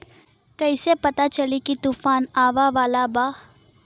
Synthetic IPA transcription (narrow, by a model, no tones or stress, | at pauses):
kɐisepɐt̪at͡ʃɐlikit̪uːfaːnaːʋaʋaːlabaː